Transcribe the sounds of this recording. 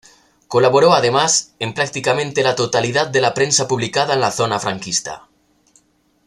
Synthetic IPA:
kolaβoɾoað̞emasempɾak̚t̪ikamẽnt̪elat̪ot̪alið̞at̪̚d̪elapɾensapuβlikaðaenlaθonafɾaŋkist̪a̰

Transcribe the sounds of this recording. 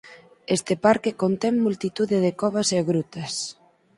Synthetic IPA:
est̪ɪpaɾkekont̪ɛŋːult̪it̪uðeðekɔβ̞aseaɣɾut̪ɐs

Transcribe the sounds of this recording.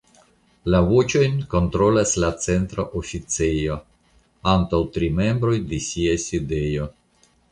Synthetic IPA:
lavot͡ʃo̞jnko̞ntɾo̞laslat͡se̞ntɾoʔofit͡sejo̞ | antawtɾime̞mbɾo̞jdesiajside̞jo̞

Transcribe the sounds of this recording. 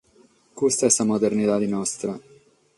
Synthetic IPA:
kust̪ɛsamod̪ernit̪ad̪inɔst̪ɾa

